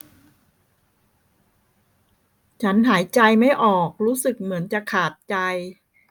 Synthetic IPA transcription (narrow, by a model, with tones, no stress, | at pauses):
t͡ɕʰa˦˥nɦaː˩˦jt͡ɕa˧jma˥˩jʔɔː˨˩k̚ɾuː˦˥sɯ˨˩k̚mɯ˩˦ənt͡ɕa˨˩kʰaː˨˩t̪̚t͡ɕa˧j